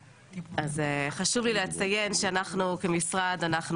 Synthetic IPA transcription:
azeχaʃuvlileat͡sajenʃeanaχnukemisʁadanaχn

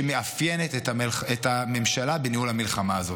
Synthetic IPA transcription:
eme̞afjenet̪etaeletame̞mʃalabeniulamilχamaːzo̞

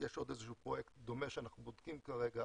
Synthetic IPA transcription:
jeʃo̞d̪ezeʃupʁo̞jekt̪d̪o̞meʃeanaχnubod̪kimkaʁeɡa

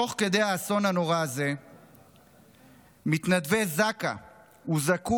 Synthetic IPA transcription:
o̞χke̞d̪e̞haːso̞nano̞ʁaːze̞ | mit̪nad̪vezaka̰ | uzaku

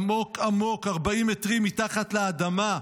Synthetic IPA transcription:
mo̞kamo̞kaʁbaimetʁimːitaχatleadama

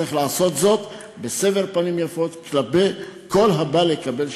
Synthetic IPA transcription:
iχlaːso̞t̪zo̞t̪ | beseveʁpanimjafo̞t̪klapejko̞lɦabalekabe̞l

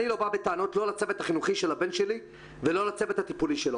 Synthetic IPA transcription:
nilo̞babet̪aːno̞t̪lo̞lat͡se̞vetaχinuχiʃelabe̞nʃe̞li | velo̞lat͡se̞vet̪hat̪ipuliʃelo

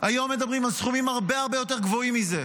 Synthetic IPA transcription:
ajo̞mːe̞d̪abʁimalsχumimaʁbe̞aʁbe̞jo̞t̪eʁɡvo̞imːize̞

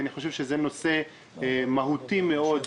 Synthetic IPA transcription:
aniχo̞ʃevʃezeno̞se̞ | maɦut̪imeo̞d̪

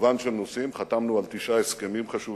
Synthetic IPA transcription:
vanʃelnosimχat̪amnualt̪iʃaheskemimχaʃu

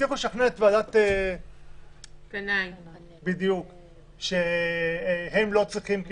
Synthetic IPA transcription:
ixoʃaχnet̪veadat̪e | kanaj | bid̪juk | ʃe | hemlo̞t͡sʁiχimk

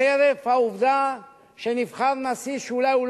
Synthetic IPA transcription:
eɾefhauvd̪a | ʃenivχaɾnasiʃeulajul

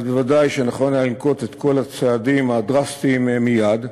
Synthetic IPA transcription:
devadajʃenaχo̞nlealnko̞t̪et̪ko̞lat͡seadimadʁast̪immijad̪

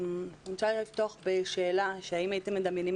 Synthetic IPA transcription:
nʃalift̪oχbeʃeːlaʃeaimait̪emːed̪amjenim

